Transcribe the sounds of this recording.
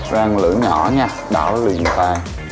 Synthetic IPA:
zaː˧ŋlɨ̰˧˥˦ɲɔ˧˩ɲaː˨˧˩ɗaː˧˩wli˨˩ənfaː˧j

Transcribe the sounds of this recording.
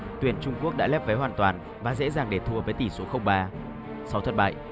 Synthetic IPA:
t̪wi˧˩ənt͡ɕʊ˧ŋ͡mku˦˥ək̚ɗa̰˧˥lɛː˦˥p̚və˨˦jɦwaː˨˩nt̪waː˨˩n | vaː˨˩zḛ˧˥zaː˨˩ŋɗe˧˩t̪ʰu˧əvəː˨˦jt̪i˧˩so˨˦xə˧wŋ͡mɓaː˧ | sa˨˦wt̪ʰə˨˩t̚ɓa̰ː˧˨jʔ

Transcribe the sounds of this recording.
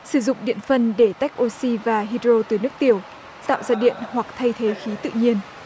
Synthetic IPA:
sɨ˧˩zʊ̰˧˨ŋ͡mɗḭ˧˨ənfə˧nɗe˧˩t̪a˦˥jk̟̚ʔo˧si˧vaː˨˩ɦi˧dɾo˧t̪ɨ˨˩nɨ˦˥ək̚t̪i˧˩əw | t̪a̰ː˧˨wzaː˧ɗḭ˧˨ənhwa˨˩k̚t̪ʰə˧jt̪ʰe˨˦xi˨˦t̪ɨ̰˧˨ɲi˧ən

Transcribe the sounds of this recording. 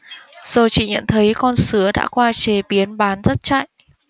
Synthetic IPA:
z̥o˨˩t͡ɕḭ˧˨ɲə̰˧˨nt̪ʰə˨˦jkɔ˧nsɨ˨˦əɗa̰ː˧˥kwaː˧t͡ɕe˨˩ɓi˨˦ənɓaː˨˦nzə˦˥t̚t͡ɕa̰˧˨jʔ

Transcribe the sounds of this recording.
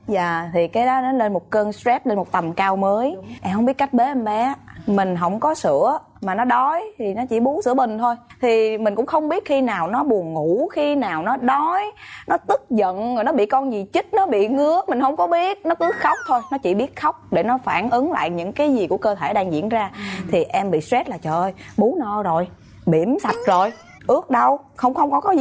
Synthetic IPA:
za̰ː˨˩t̪ʰi˨˩kaː˨˦jɗɔ˨˦nɔ˨˦le˧nmo˨˩t̚kəː˧nszɛ˦˥p̚le˧nmo˨˩t̚t̪ə˨˩mkaː˧wməː˨˦jʔɛ˧hə˧wŋ͡mɓi˦˥ət̚ka˦˥jk̟̚ɓe˨˦ʔɛ˧mɓɛ˨˦mï˨˩ŋ̟ɦə˧˩wŋ͡mkɔ˨˦sɨ̰˧˥ə | maː˨˩nɔ˨˦ɗɔ˨˦jt̪ʰi˨˩nɔ˨˦t͡ɕḭ˧˩ɓu˨˦sɨ̰˧˥əmï˨˩ŋ̟t̪ʰo˧jt̪ʰi˨˩mi̟˨˩kʊ̰˧˥ŋ͡mxə˧wŋ͡mɓi˦˥ət̚xi˧naː˨˩wnɔ˨˦ɓu˨˩ənŋu˧˩˥xi˧naː˨˩wnɔ˨˦ɗɔ˨˦jnɔ˨˦t̪ɨ˦˥k̚zə̰˧˨no˨˩jnɔ˨˦ɓḭ˧˨kɔ˧nzi˨˩t͡ɕi˦˥t̚nɔ˨˦ɓḭ˧˨ŋɨ˨˦əmï˨˩ŋ̟hə˧wŋ͡mkɔ˨˦ɓi˦˥ət̚nɔ˨˦kɨ˨˦xə˦˥wk͡p̚t̪ʰo˧jnɔ˨˦t͡ɕḭ˧˩ɓi˦˥ət̚xə˦˥wk͡p̚ɗe˧˩nɔ˨˦faː˧˩nʔɨ˨˦ŋla̰ː˧˨jɲɨ̰˧˥ŋkaː˨˦jzi˨˩ku˧˩əkəː˧t̪ʰe˧˩ɗaː˧ŋzḭ˧˥ənzaː˧t̪ʰi˨˩ʔɛ˧mɓḭ˧˨swɛ˦˥t̚laː˨˩t͡ɕəː˧˩ʔjɓu˨˦nɔ˧˩zo˨˩j | ɓi˧˩əmsa˨˩t̚zo˨˩j | ʔɨ˦˥ək̚ɗə˧w | xə˧wŋ͡mxə˧wŋ͡mkɔ˨˦kɔ˨˦˧

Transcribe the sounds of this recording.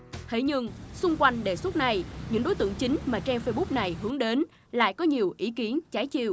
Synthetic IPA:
t̪ʰe˧˩ɲɨ˧ŋsʊ˧ŋ͡mkwa˧jŋ̟ɗe˧˩swə˦˥t̚na˧˩jɲɨ̰˧˥ŋɗo˨˦jt̪ɨ̰˧˨əŋt͡ɕï˨˦ŋ̟maː˨˩t͡ɕɛ˧mfə˧jɓu˦˥k͡p̚na˨˩jɦɨ˨˦əŋɗe˨˦n | la̰ː˧˨jkɔ˨˦ɲi˨˩əwʔi˨˦ki˨˦ənt͡ɕaː˨˦jt͡ɕḭ˧˨əw

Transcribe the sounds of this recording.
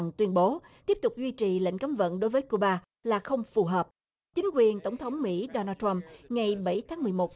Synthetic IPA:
ŋt̪wi˧ənɓo˨˦ | t̪i˦˥əp̚t̪ʊ˨˩k͡p̚zwi˧t͡ɕi˨˩lə̰˧˨ŋ̟ka˨˦mvə̰˧˨nɗo˨˦jvəː˨˦jku˧ɓaː˧ | laː˨˩xə˧wŋ͡mfu˨˩ɦəː˨˩p̚ | t͡ɕï˨˦ŋ̟kwi˨˩ənt̪ə˧˩wŋ͡mt̪ʰə˨˦wŋ͡mmḭ˧˥ɗo˧naː˧t̪ɹa˧mŋa˨˩jɓə˧˩jt̪ʰaː˨˦ŋmɨ˨˩əjmo˨˩t̚

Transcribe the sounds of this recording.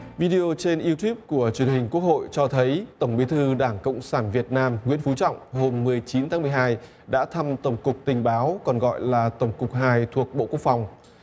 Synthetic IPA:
vi˧ɗi˧o˧t͡ɕe˧nʔi˧wt̪ju˦˥p̚ku˧˩ət͡ɕwi˨˩ənhï˨˩ŋ̟ku˦˥ək̚ho̰˧˨jt͡ɕɔ˧t̪ʰə˨˦jt̪ə˧˩wŋ͡mɓi˨˦jt̪ʰɨ˧ɗaː˧˩ŋkə̰˧˨wŋ͡msaː˧˩nvi˨˩ət̚naː˧mŋwḭ˧˥ənfu˨˦t͡ɕɔ̰˧˨wŋ͡mɦo˧mːɨ˨˩əjt͡ɕi˨˦nt̪ʰaː˨˦mɨ˨˩ə˩ɦaː˧j | ɗa̰ː˧˥t̪ʰa˧mt̪ə˧˩wŋ͡mkʊ˨˩k͡p̚t̪ï˨˩ŋ̟ɓaː˨˦wkɔ˨˩nɣɔ̰˧˨jlaː˨˩t̪ə˧˩wŋ͡mkʊ˨˩k͡p̚ɦaː˧jt̪ʰu˨˩ək̚ɓo̰˧˨ku˦˥ək̚fa˨˩wŋ͡m

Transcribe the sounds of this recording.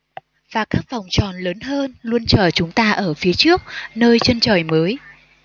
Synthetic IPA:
vaː˨˩kaː˦˥k̚va˨˩wŋ͡mt͡ɕɔ˨˩nləː˨˦nɦəː˧nlu˧ənt͡ɕəː˧˩t͡ɕʊ˨˦ŋ͡mt̪aː˧ʔəː˧˩fi˨˦ət͡ɕɨ˦˥ək̚nəː˧jt͡ɕə˧nt͡ɕəː˨˩jməː˨˦j

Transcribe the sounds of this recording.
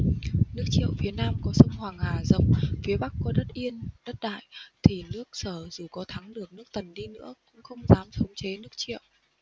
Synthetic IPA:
nɨ˦˥ək̚t͡ɕḭ˧˨əwfi˨˦ənaː˧mkɔ˨˦sə˧wŋ͡mhwaː˨˩ŋhaː˨˩zə̰˧˨wŋ͡mfi˨˦əɓa˦˥kːɔ˨˦ɗə˦˥t̚ʔi˧ənɗə˦˥t̚ɗa̰ː˧˨jt̪ʰi˨˩nɨ˦˥ək̚səː˧˩zu˨˩kɔ˨˦t̪ʰa˨˦ŋɗɨ˨˩ək̚nɨ˦˥ək̚t̪ə˨˩nɗi˧nɨ̰˧˥əkʊ̰˧˥ŋ͡mxə˧wŋ͡mzaː˨˦msə˨˦wŋ͡mt͡ɕe˨˦nɨ˦˥ək̚t͡ɕḭ˧˨əw

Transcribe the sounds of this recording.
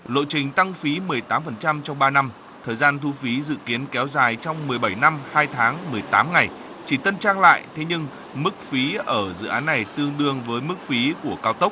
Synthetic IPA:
lo̰˧˨jt͡ɕï˨˩ŋ̟t̪a˧ŋfi˨˦mɨ˨˩əjt̪aː˨˦mfə˨˩nt͡ɕa˧mt͡ɕɔ˧wŋ͡mɓaː˧na˧m | t̪ʰəː˨˩jzaː˧nt̪ʰu˧fi˨˦zɨ̰˧˨ki˨˦ənkɛ˨˦wzaː˨˩jt͡ɕɔ˧wŋ͡mmɨ˨˩əjɓa˧˩jna˧mhaː˧jt̪ʰaː˨˦ŋmɨ˨˩əjt̪aː˨˦mŋa˨˩j | t͡ɕi˧˩t̪ə˧nt͡ɕaː˧ŋla̰ː˧˨jt̪ʰe˨˦ɲɨ˧ŋ | mɨ˦˥k̚fi˨˦ʔəː˧˩zɨ̰˧˨ʔaː˨˦nːa˨˩jt̪ɨ˧əŋɗɨ˧əŋvəː˨˦jmɨ˦˥k̚fi˨˦ku˧˩əkaː˧wt̪ə˦˥k͡p̚

